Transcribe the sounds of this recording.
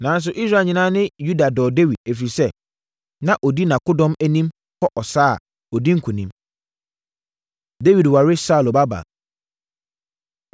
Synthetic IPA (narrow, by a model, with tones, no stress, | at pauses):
nã˨˦n˦s̬ʊ˨ʔi˦sɾa˨ɲɪ̃˨nã˦nɪ̃˦ju˦da˨dɔ˨de˦wi˨d̚æ˨f̬i˨sɛ˦ | nã˦ʔɔ˨di˦nã˨kʊ˦dɔ̃˦mæ˦nĩ˦m | kʰɔ˦ʔɔ˨saː˦a̰˨ | ɔ˨di˦ŋ̩˦kʰʊ˨nĩ˦m | de˦wi˨dwa˨ɾɪ˦sa˦˨lo˨ba˦ba̰˨